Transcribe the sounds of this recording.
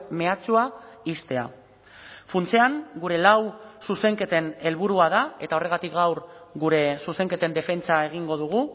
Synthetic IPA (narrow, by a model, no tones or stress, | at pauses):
me̞at͡suaist̪e̞a̰ | funt͡se̞aŋɡuɾe̞lawsuse̞ŋke̞t̪e̞ne̞lβuɾuaðae̞t̪ao̞re̞ɣat̪ikɡawɾ | ɣuɾe̞suse̞ŋke̞t̪e̞nd̪e̞fe̞nt͡sae̞ɣ̞iŋɡo̞ðuɣ̞u